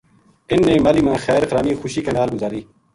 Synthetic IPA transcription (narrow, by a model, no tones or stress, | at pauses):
ɪnːẽːmaːliːmãːxɛːɾxɾaːmiːxʊʃiːkenaːlɡʊzaːɾiː